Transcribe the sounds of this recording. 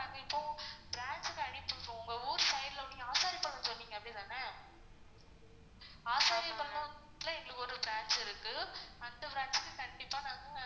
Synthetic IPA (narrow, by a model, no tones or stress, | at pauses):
aːŋɡɐɪpːõːbɪɾaːnt͡ʃɯkɐɐɳɪpːɯpːõːʊŋɡɐuːɾsɐɪɾlɐʊɳːɪŋɐaːsaːɾipɐɳːɐsɔnːiːŋɡɐpːɐɽit̪aːnɐ | aːsaːɾipɐɳːɐ | lɐ̃ɛŋɡɐɭɯkːɯɔɾɯbɾaːnt͡ʃɪɾɯkːɯɐnd̪ɐbɾaːnt͡ʃkːɯkɐɳɖɪpːaːnaːŋɡɐ